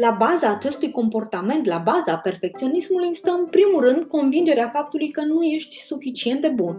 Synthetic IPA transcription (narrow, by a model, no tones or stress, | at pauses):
labazaːt͡ʃe̞st̪ujko̞mpo̞rt̪ame̞nt̪labazape̞rfe̞k̚t̪sio̞nismulujst̪əmpɾimulrɨnd̪ko̞nvind͡ʒe̞ɾeafap̚t̪ulujkənuje̞ʃt̪ʲsufit͡ʃie̞nt̪d̪e̞bun